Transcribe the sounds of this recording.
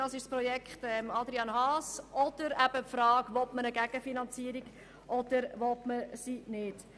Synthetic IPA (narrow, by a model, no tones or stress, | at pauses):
d̥ɑsɪʃspɾɔjɛkχtɛmɑd̪ɾiɑnɦɑːsʔɔd̥əɾæb̥əpfɾɑːɡʋɔtmənəɡæɡ̥əfinɑnt͡siːɾiɡ̥ | ʔɔd̥əɾvɔtməsinɪd̥